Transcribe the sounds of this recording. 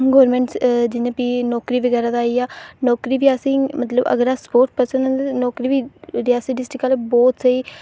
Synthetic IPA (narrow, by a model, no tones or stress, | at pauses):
ɡɔːɾmɛ̃ːɳʈsd͡ʒɪnẽːpiːnɔːkɾiːʋəɡɛːɾaːd̪aːiːaːnɔːkɾiːʋiːasĩːmət̪ləbə̰ɡəɾaːspoːɾʈ̚pəɾsənə̃nd̪nɔːkɾiːʋiːɾɪjaːsəɖɪsʈɪkalebɔːt̪səiː